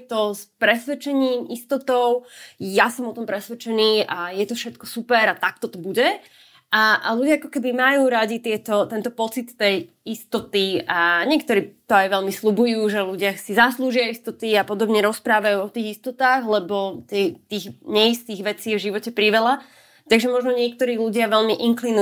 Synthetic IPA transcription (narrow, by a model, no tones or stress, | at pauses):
t̪ɔspɾɛsʋɛt͡ʃɛɲiːmist̪ɔt̪ɔʊjasɔmɔt̪ɔmpɾɛsʋɛt͡ʃɛniːajɛt̪ɔfʃɛt̪kɔsupɛɾat̪ak̚t̪ɔt̪ɔbuɟɛ | ʔaʔaluɟɪaakɔkɛbimajuːɾaɟit̪ɪɛt̪ɔt̪ɛnt̪ɔpɔt͡sit̪ːɛj | ist̪ɔt̪iaɲɪɛk̚t̪ɔɾiːt̪ɔajʋɛʎmislubujuːʒɛluɟɪasizasluːʒɪaist̪ɔt̪iapɔd̪ɔbɲɛɾɔspɾaːʋajuːɔt̪iːɣist̪ɔt̪aːɣlɛbɔt̪ɛjt̪iːɣɲɛjist̪iːɣʋɛt͡siːɛvʒiʋɔcɛpɾiʋɛla | t̪aɡʒɛmɔʒnɔɲɪɛk̚t̪ɔɾiːluɟɪaʋɛlmiʔiŋklinu